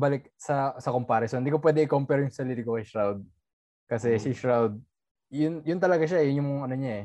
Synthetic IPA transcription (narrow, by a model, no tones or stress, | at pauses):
balɪk̚sɐsɐkompaːɾɪsonɪnd̪iːkopwɛːd̪ɪɛŋʔɪkompɛɾjʊŋsɐliːɾikokɐjʃɹawd̪̚ | kɐsɛsiʃɹawd̪̚ | jʊnjʊnt̪ɐlɐɡaʃajʊnjʊŋɐno̞ɲaɛ